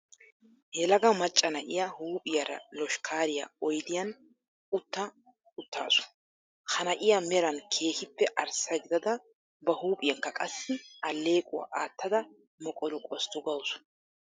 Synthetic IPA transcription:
hɛlɐɡɐmɐt͡ʃʼːɐnɐʔɪjahuːpʼɪjɐɾɐ̰lɔʃkʰaːɾɪja̰ɔjd̪ɪjɐn | ʊt̪ːɐ | ʊt̪ːa̰ːsʊ̥ | hɐnɐʔɪjamɛɾɐnkʰe̞ːhɪpːɛʔɐɾsɐɡɪd̪ɐd̪ɐ | bɐhuːpʼɪjɐŋkːɐkʼɐsːɪɐlːe̞ːkʼʊwa̰ʔaːt̪ʰːɐd̪ɐ | mɔkʼɔlʊkʼɔst̪ɔɡɐwsʊ̥

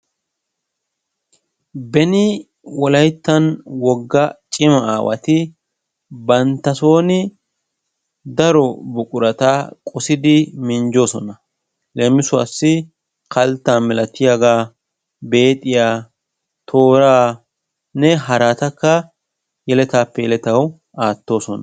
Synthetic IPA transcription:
bɛnɪ | wɔlɐjt̪ːɐnwɔɡːɐt͡ʃʼɪmɐaːwɐ̰t̪ɪ | bɐnt̪ːɐso̞ːnɪ | d̪ɐɾɔbʊkʼʊɾɐt̪akʼɔsɪd̪ɪmɪnd͡ʒo̞ːsɔnɐ | lɛmɪsʊasːɪ | kɐlt̪ːaːmɛlɐt̪ːɪjaɡaː | be̞ːt̪ʼːɪjaː | t̪ʰo̞ːɾaː | nɛɦɐɾaːt̪ɐkːɐ | jɛlɛt̪aːpːɛjɛlɛt̪ɐw | aːt̪ːo̞ːsɔnɐ

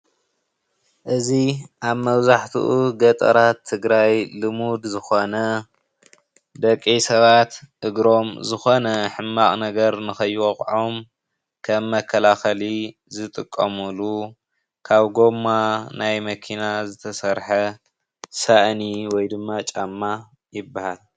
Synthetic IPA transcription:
ʔɨziʔaβmɐβzaħt̪ʰṵʔuɡɐt̪ʼɐ̰ɾat̪ʰːɨɡɾajlɨmud̪zɨxo̞nɐ | d̪ɐkʼːisɐβat̪ɨɡɾo̞mzɨxo̞nɐħɨmːaχʼnɐɡɐɾnɨxɐjːwoχʼʕom | kʰɐmːɐkʰːɐlaxɐli | zɨt̪ʼɨkʼːɐmulu | kʰaβɡo̞mːanajmɐkʰinazɨt̪ʰɐsɐɾħɐ | saʔniwɔjd̪ɨmːat͡ʃʼamːa | jɪbːahal

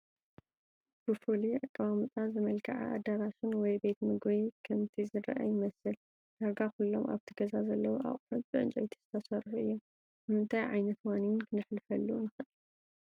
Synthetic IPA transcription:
b̥ɨfuliʕɨkʼːɨmamɨt̪ʼazɨmɐlkʰɐ̰ʕa̰ʔa̰d̪ɐɾaʃɪnwɔjbe̞t̪mɨɡβikʰɐmt̪ʰizɨɾɐ̰ʔa̰jɪmɐsɨl | d̪aɡakulːomʔa̰βt̪ʰɨɡɐzazɐlːɐwuʔa̰χʼħɐt̪bɨʔɨ̰nt͡ʃʼojt̪ʰi̥z̥ɨt̪ʰɐsɐrħuʔɨ̰jːo | bɨmɨnt̪ʰajʕajnɐt̪waninkʰɨnɨħlɨfɐlːunɨxɨʔ

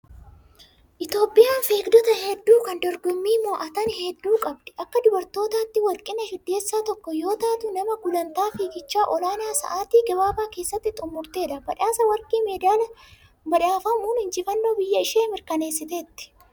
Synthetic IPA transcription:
ʔɪt̪jo̞ːpʼːɪjaːnfeːkd̪ɔt̪ɐhɛd̪ːuːkɐnd̪ɔɾɡɔmːiːmɔːʔɐt̪ɐnhɛd̪ːuːkʼɐbd̪ɛ̥ʔɐkːɐd̪ʊbɐɾt̪o̞ːt̪aːt̪ːɪwɐlkʼɪnɐʃɪd̪ːe̞ːsːaːt̪ɔkːɔjo̞ːt̪aːt̪ʊnɐmɐɡʊlɐnt̪aːfiːɡɪt͡ʃːaːʔɔlaːnaːsɐ̰ʔaːt̪iːɡɐbaːbaːke̞ːsːɐt̪ːɪt̪ʼʊmːʊɾt̪e̞ːᶑ̪ɐbɐᶑaːsɐwɐɾkʼiːmeːd̪ɪjaːlɐ | bɐᶑaːfɐmuːnhɪnd͡ʒɪfɐnːoːbɪjːɐɪʃeːmɪɾkɐne̞ːsːɪt̪eːt̪ːɪ̥

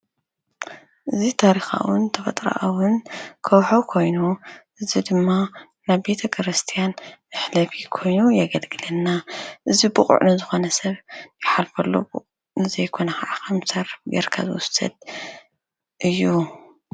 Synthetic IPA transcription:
ʔɨzit̪ʰaɾixa̰wʊnt̪ʰɐfɐt̪ʼɾa̰ʔɐwʊnkʰɐwħokʰo̞jnuʔɨzid̪ɨmːa | naβbe̞t̪ʰɐkʰɨɾɨst̪ʰijanɨħlɐfikʰo̞jnujaɡɐlɡɨlɐnːaʔɨzibɨχʼṵʔnɨzɨxo̞nɐsɐβjɪħalfɐlːṵbṵ | nɨzɐjkʰo̞nɐxaʕakɐmsɐɾɡɐ̰ɾkʰa̰zɨwʊsɐ̰d̪̚ | ʔɨjːu

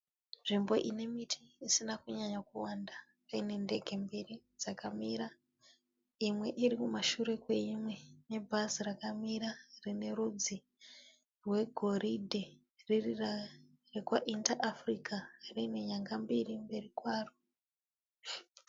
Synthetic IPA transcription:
nʐimbo̞ʔine̞mitʰiisinakuɲaɲakuwanda | paine̞nde̞ɡʱe̞mbiri | d͡zakamiɾa | imwe̞ʔiɾikumaʃuɾe̞kwe̞imwe̞ne̞bʱazirakamiɾarine̞ɾud͡zi | rwe̞ɡʱo̞ridʱe | ririra | rekwaʔintaʔafrikarine̞ɲaŋɡambirimbe̞rikwaːro

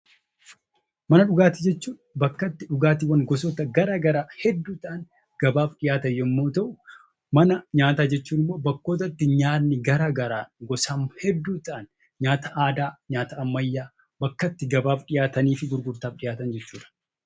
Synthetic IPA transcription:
mɐnɐᶑʊɡaːt̪ɪd͡ʒɛt͡ʃːuːᶑɐbɐkːɐt̪ːɪᶑʊɡaːt̪ɪwɐnɡɔs̬ɔt̪ɐɡɐɾaːɡɐɾaːhɛd̪ːuːt̪ʔɐn | ɡ̥ɐbaːfɗɪjaːt̪ɐjːɔmːoːt̪ɐʔʊ | mɐnɐɲaːt̪aːd͡ʒɛt͡ʃːuːnɪmːo̞ːbɐkːo̞ːt̪̬ɐt̪ːɪɲaːɪɡɐɾaːɡɐɾaːɡɔsamhɛd̪ːuːt̪ɐʔːn | ɲaːt̪ɐʔaːd̪aːɲaːt̪ɐːmːɐjːaː | bɐkːɐt̪ːɪɡɐbaːfᶑɪjaːt̪ɐniːfɪɡʊɾɡʊɾt̪aːfɗɪjaːt̪ɐnd͡ʒɛt͡ʃːuːᶑɐ̥

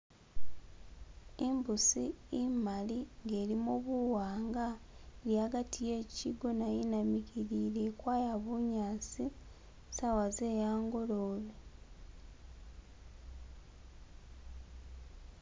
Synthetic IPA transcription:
imbusiːmaliŋɡe̞ːlimoβuwaːŋɡaeljaːɡatʰijeːciɡo̞najinamiɡiɾile̞kwaːjaβuɲaːt͡si | sawaze̞ːjaːŋɡo̞loːβe

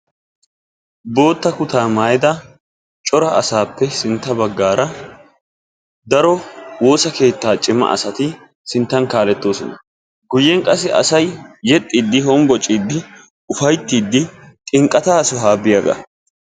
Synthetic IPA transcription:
bo̞ːt̪ːɐkʊt̪aːmaːjd̪ɐ | t͡ʃʼɔɾɐɐsaːpːɛsɪnt̪ːɐbɐɡːaːɾɐ | d̪ɐɾɔwo̞ːsɐke̞ːt̪ːaːt͡ʃʼɪmːɐ̰ʔɐ̰sɐt̪ɪ | sɪnt̪ːɐnkaːlɛt̪ːo̞ːsɔnɐ | ɡʊjːɛŋkʼɐsɪʔɐ̰sɐjːɛt̪ʼːiːd̪ːɪɦɔmɡɔt͡ʃʼːiːd̪ːɪ | ʊfɐjt̪ːiːd̪ːɪtʼɪŋkʼːɐt̪aːsɔɦaːbːɪjɐɡɐ̰

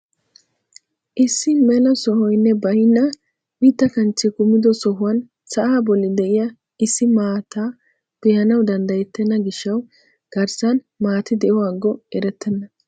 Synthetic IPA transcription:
ʔɪsːɪmɛlɐsɔhɔjnːɛbɐjnːɐ | wiːt̪ːɐkɐnt͡ʃːɪkʊmːɪd̪ɔsɔɦʊwɐn | sɐʔaːbɔlːɪd̪ɛʔɪjɐ | ɪsːɪmaːt̪aː | pɛhɐnɐwd̪ɐnd̪ɐjɛt̪ːɛnːɐɡɪʃːɐw | ɡ̥ɐɾsɐn | maːt̪ɪd̪ɛʔɔwaːɡːɔɛɾɛt̪ʰːɛnːɐ

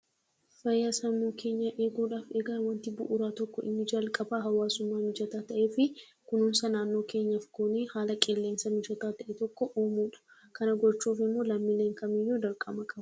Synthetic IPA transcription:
fɐjːaːsɐmːuːkʰe̞ːɲːɐʔe̞ːɡuːᶑaːfeːɡaːwɐnt̪ɪbʊ̰ʔʊɾaːt̪ɔkːɔʔɪ̰nːɪd͡ʒɐlkʼɐbaːɦɐwaːsʊmːaːmɪd͡ʒɐt̪aːt̪ɐʔeːfɪ | kʊnʊnsɐnaːnːo̞ːke̞ːɲːɐfkoːneːhaːlɐkʼɛlːe̞ːnsɐmɪd͡ʒɐt̪aːt̪ɐʔɛt̪ɔkːɔʔoːmuːᶑɐ̥ | kɐnɐɡɔt͡ʃːuːfɪmːo̞ːlɐmːileːŋkɐmɪjːod̪ɐɾkʼɐmɐkʼɐbɐ̥

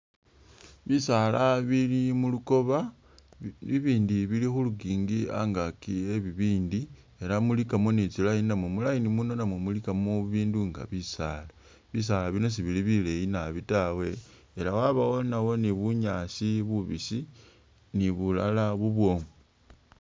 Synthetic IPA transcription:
βisalaβilimuluko̞βa | βiβiːndiβilixuluɡiːŋɡia̰ŋɡakie̞βiβiːndi | e̞lamulikamo̞nit͡silajininamwomulainimuno̞namwemulikamoβiːnduŋɡa̰βisaːla | βis̬aːlaβino̞s̬iβiliβilejinaβitawe̞ː | lawaβawo̞nawoniβuɲaːsiβuβisi | niβula̰laβuβwo̞ːŋe

